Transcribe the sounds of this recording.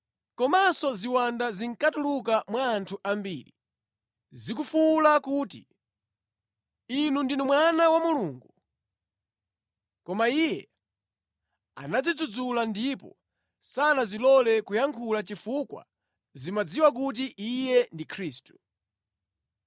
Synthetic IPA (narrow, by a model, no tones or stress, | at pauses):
kɔmasɔziwandaziŋkatulukamwaːntʰuʔambḭːli | zikufulakuːti | inundinumwanawamuluːŋɡu | kɔmaijɛ | a̰nad͡zid͡zud͡zulandipɔ̰ | sanazilɔlɛkujaŋkʰulat͡ʃifukwa̰ | zimad͡ziwak̬ut̬iʔijɛndikʰɾiːstu̥